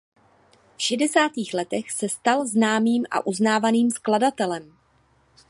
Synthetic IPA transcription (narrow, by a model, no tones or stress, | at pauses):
fʃɛdɛsaːt̪iːxlɛt̪ɛxsɛst̪alznaːmiːmʔa̰ʔuznaːvaniːmskladat̪ɛlɛm